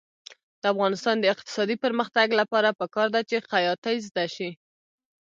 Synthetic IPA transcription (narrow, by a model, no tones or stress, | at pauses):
d̪̥əafɣɑnɪst̪ɑnd̪əɪq̚t̪ɪ̥sɑd̪ipəɾməxt̪aɡlapɑɾapəkɑɾd̪at͡ʃexajɑt̪ajzd̪aʃi